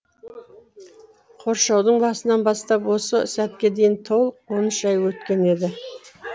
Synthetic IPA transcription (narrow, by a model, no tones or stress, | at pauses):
qʰo̞ɾʃɑwd̪əɴbɑsənɑnbɑst̪ɑpwo̞səsæt̪kʲe̞d̪e̞jɪnt̪ʰo̞lˠəqwo̞nəʃɑjwɵt̪kʲe̞ne̞d̪ɪ